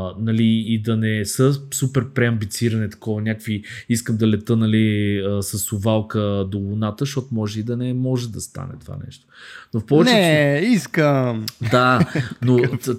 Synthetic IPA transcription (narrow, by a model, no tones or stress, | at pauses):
nɐliːd̪ɐnɛsəsupɛɾpɾɛɐmbit̪siɾɐnit̪ɐ̥kɔvənʲjakviiskəmd̪ɐlɛt̪ɤnɐliəsɐsʊvalˠkəd̪olˠʊnat̪əʃɔt̪omɔʒɛid̪ɐnɛmɔʒɛd̪ɐst̪a̰nɛ̰t̪ova̰nɛ̰ʃt̪o̥nofpɔvɛnt͡ʃɛɛiskəmd̪ano